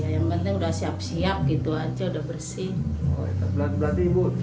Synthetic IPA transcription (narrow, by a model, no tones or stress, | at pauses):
jajaŋpənt̪ɪŋudahsiap̚siap̚ɡit̪uad͡ʒaudahbərsɪoḭt̪ablat̪blat̪ibu